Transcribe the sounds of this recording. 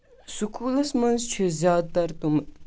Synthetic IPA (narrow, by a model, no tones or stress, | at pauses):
sukʰuːlɐsmɐnzt͡ʃʰuzjɑːd̪̚t̪ɐɾt̪um